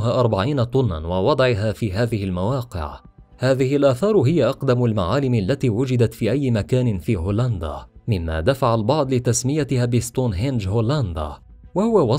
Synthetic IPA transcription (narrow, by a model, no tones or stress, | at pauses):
ɦaːʔɑɾˤbaʕiːnat̪ˤʊnːa̰nwɑwɑd̪ˤʕɪɦaːfiːɦaːðɪhɪlmawɑːqɪ̰ʕ | haːðɪhɪlʔaːθɑːɾˤɦɪjaʔɑqd̪amalmaʕaːlɪmalːat̪iːwʊd͡ʒɪd̪at̪fiːʔajːɪmakaːnɪnfiːɦoːland̪a̰ːmɪmːa̰ːd̪afaʕalbɑʕd̪ˤlɪt̪asmɪjat̪ɪhaːbɪst̪ˤuːnɦɪnd͡ʒhoːland̪a̰ː | wahʊwawɑ